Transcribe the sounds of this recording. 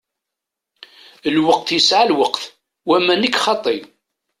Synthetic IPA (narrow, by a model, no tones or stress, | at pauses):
əlwəq̚θjəsʕalwəqθ | wæmænəkːχɑt̪ˤːi